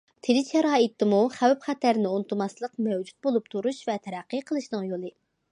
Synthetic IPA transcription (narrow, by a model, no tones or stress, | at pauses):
t̪ʰelɪt͡ʃʰɛɾɑːit̪ːɪmuχæwpχɛt̪æɾnɪunɨt̪ʰumɑslˠəqmɛwd͡ʒu̥t̪̚bolˠup̚t̪ʰuɾuʃvɛt̪ʰɛɾæqːəqʰəlˠɨʃnɨŋjolˠɨ